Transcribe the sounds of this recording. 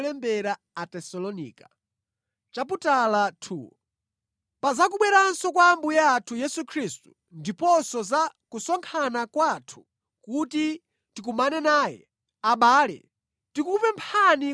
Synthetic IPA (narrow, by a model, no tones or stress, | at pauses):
lɛmbɛɾa | atɛsɔlɔnḭːka | t͡ʃap̬utalatʰṵːɔ | pazakuɓwɛɾansɔkwambujaːtʰujɛsukʰɾistu̥ | ndipɔsɔzakusɔŋkʰanakwatʰu̥ | kuti | tikumanɛnaːjɛ̰ | aɓaːlɛ̰ | tikupɛmpʰani